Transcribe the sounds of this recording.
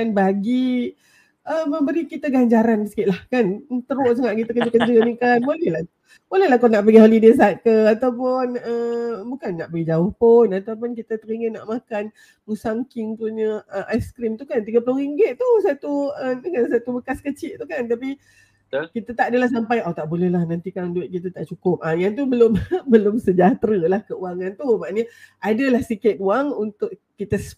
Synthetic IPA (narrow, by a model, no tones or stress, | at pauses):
anbaɡi | əmə̃mbəɾikit̪əɡaɲd͡ʒaɾandisə̥kɪʔ̪lahkant̪əɾoʔs̬əŋaʔkit̪əkəd͡ʒukant͡ʃuɡənikanbolɛhla | bolɛhlahkonaʔpəɡiɦolides̬at̪̚kəat̪awpʊnəbukanːaʔpəɡid͡ʒaʊhpʊnat̪awp̬ʊnkit̪ət̪əɾiŋɡəna̰ʔmakan | musaŋkɪŋt̪uɲəəʔajskɾimt̪ukant̪iɡəploɾiŋɡɪt̪̚t̪usat̪uədəŋans̬at̪ubəkaskət͡ʃɪʔt̪ukant̪api | kit̪at̪aʔdəlahs̬ampajʔot̪aʔbolɛhlahnant̪ikanduɪt̪̚kit̪at̪aʔt͡ʃukʊp̚ajaŋt̪̬ubəlʊmbəlʊmsəd͡ʒat̪ɾəlahkəuaŋãnt̪ubaʔaɲəʔadəlahsikɪt̪̚uaŋunt̪ʊʔkit̪əs